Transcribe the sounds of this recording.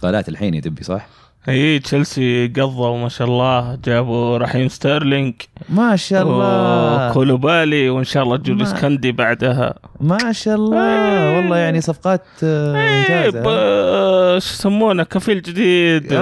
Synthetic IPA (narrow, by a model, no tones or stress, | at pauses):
qaːla̰ːt̪ɪlħiːnjd̪ɪbːisˤɑ̰ħ | ʔiːt͡ʃalsiɡɑðˤːɑwmaʃaʔɑlˤːɑːd͡ʒaːbuɾˤɑħiːmst̪ɑɾˤlɪŋɡmaʃaʔːɑkʰoːlubaːliwɪnʃaːʔɑlˤːɑːd͡ʒuːliskand̪ibaʕd̪aɦa̰maʃaʔɑlˤːɑwɑlˤːɑːjaʕnisˤɑfqɑːt̪ɪnd͡ʒaː | ʃsamːuːnakafiːld͡ʒɪd̪iːd̪